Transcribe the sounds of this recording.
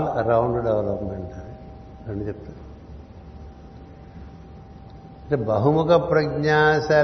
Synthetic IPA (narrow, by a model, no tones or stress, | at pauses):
lɐɾawɳɖɖeʋlopmeɳʈɐɾe | ɡɐɳɖit͡ɕept̪ɐd̪u | ebɐɦumukɐpɾɐɡɲaːsa